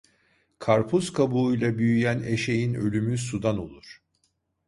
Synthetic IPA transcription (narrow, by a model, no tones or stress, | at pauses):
kʰaɾpʰuzkʰabuujlˠabyjyjæneʃe̞jinø̞lʲymysud̪ano̞lˠuɾ̥